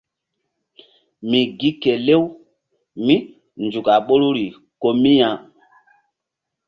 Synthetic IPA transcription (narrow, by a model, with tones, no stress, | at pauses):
mi˨ɡi˦ke˨le˦w | mĩ˦ | nd͡ʒu˨ka˨ɓo˦ɾu˦ɾi˨ | ko˦mĩ˦jã˨